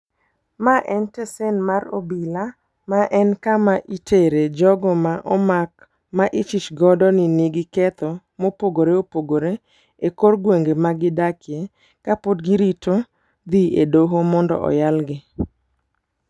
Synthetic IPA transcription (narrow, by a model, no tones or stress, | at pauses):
maʔɛntesenmaɾo̰bila | maʔɛnkamaʔitʰeɾed͡ʒɔɡɔmaʔɔmak̚ | maʔɪt͡ʃit͡ʃɡɔdɔniniɡɪkɛt̪ɔ | mopoɡoɾeopoɡoɾe | ekorɡweŋɡemaɡɪdakɪe | kapod̚ɡɪɾito | d̪iedoɦomɔndɔ̰ʔɔ̰jalɡɪ